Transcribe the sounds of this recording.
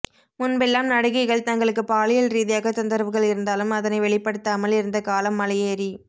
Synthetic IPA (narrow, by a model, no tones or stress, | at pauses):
mʊnbɛlːaːmnɐɽɐɣɐɪɣɐɭt̪ɐŋɡɐɭɯkːɯpaːlɪjɐlɾiːðɪjaːɣɐt̪ʊnd̪ɐɾʋɯɣɐɭɪɾɯnd̪aːlɯmɐðɐnɐɪʋɛɭɪpːɐɽɯt̪ːaːmɐlɪɾɯnd̪ɐkaːlɐmːɐlɐjeːɾi